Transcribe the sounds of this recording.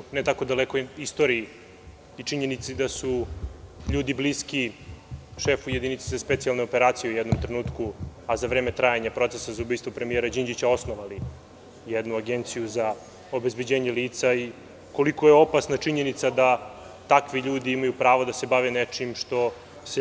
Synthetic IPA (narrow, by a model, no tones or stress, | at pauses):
net̪ako̞d̪alekoist̪o̞ɾii | it͡ʂiɲenit̪sid̪asu | ʎuːd̪ibliːski | ʃefujed̪init̪sezaspet̪sialˠneopeɾaːt̪sijeujɛd̪nomt̪ɾenuːt̪kuazaʋɾeːme̞t̪ɾajaɲapɾo̞t̪sesazaubiːjst̪ʋopɾemieɾad͡ʑind͡ʒit͡ɕao̞snoʋali | jɛd̪nuaɡent̪sijuza | o̞be̞zbed͡ʑeːɲeliːt̪sai | ko̞liko̞jeo̞pasnat͡ʂiɲe̞nit̪sad̪a | t̪akʋiʎuːd̪iimajupɾaːʋod̪ase̞baʋenet͡ʂimʃt̪o̞ | s